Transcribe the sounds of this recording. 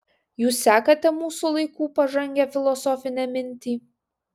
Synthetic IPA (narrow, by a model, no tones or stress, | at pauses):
juːsːʲæːkɐt̪ʲɛmuːsʊlˠɐɪkuːpɐʒɐŋʲɡʲɛfʲɪlˠɔsɔːfʲɪnʲɛmʲɪnʲt̪ʲiː